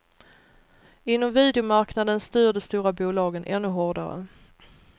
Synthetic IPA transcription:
ɪnːɔmviːd̪ɛʊmaɾknad̪ənst̪yːɖəst̪uːɾabuːlɑːɡənʔɛ̰nːɵɦɔɖaɾə̰

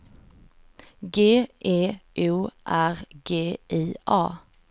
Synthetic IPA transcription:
ɡeːʔeːʔʉːʔæʁɡeːʔeːʔɑː

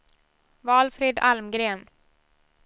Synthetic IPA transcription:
vɑːlfɾeːd̪a̰lmɡɾeːn

